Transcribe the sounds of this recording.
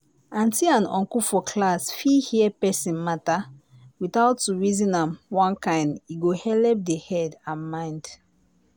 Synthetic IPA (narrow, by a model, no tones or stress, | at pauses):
ãntiãnɔ̰̃ŋkufɔkʰlasfihiɛpɛsĩnmata | witaʊtːuɹizĩnãmwãnkãɪ̃ndiɡohɛlɛp̚dehɛdãnmãɪ̃nd